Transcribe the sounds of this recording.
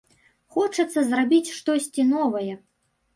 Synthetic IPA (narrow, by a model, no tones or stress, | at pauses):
xɔt͡ʂɐt̪sːɐzrabʲit͡sʲʂt̪ɔsʲt͡sʲinɔvɐjɛ